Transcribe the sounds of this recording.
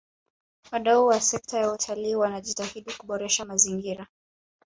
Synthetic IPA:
waɗauwasɛk̚tʰajautʰaliːwanaʄitahiɗikuɓɔɾɛʃamaziŋɡiɾa

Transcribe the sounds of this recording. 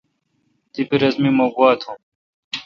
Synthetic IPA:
t̪ipiɾɐzmimoɡuaːt̪ʰhum

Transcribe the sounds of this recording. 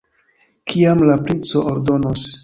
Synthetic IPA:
kʰiamlapɾint͡so̞ʔoɾdo̞nos

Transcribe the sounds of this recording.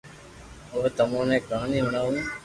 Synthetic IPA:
oːt̪əmãːnẽːkaːniːɦʊɳaːɦũː

